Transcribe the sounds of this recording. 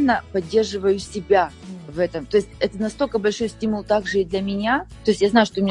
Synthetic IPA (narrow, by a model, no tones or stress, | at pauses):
nːəpɐdʲːe̞rʐɨvəjʊsʲɪbʲa | vɛt̪əmt̪o̞ɪsʲtʲɛt̪ənɐst̪o̞lʲkəbɐlʲʂo̞jsʲtʲimʊlˠt̪aɡʐɨid̪lʲɐmʲɪnʲat̪o̞ɪsʲjaznajʊʂt̪omʲɪnʲ